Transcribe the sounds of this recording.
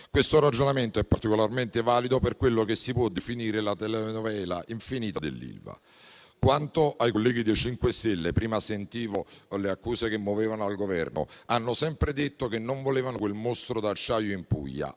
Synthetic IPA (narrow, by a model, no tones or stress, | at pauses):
kwest̪oɾad͡ʒonament̪oɛpːart̪ikolarment̪ɪvaːlid̪operkwelːokesːipwɔd̪ːifiniːɾelat̪ɛlɛnovɛːlaʔiɱfiniːt̪ad̪ḛlːḭlva̰ | kwant̪oʔajkolːɛːɡid̪it͡ʃiŋkwest̪elːepɾiːmasent̪iːvoleakːuːsekemːoveːvanoalɡovɛ̰rno̰anːʊsɛmpɾɪd̪et̪ːokenːoɱvolɛːvanokwelmost̪ɾod̪at͡ʃːaːjoimpṵʎːa̰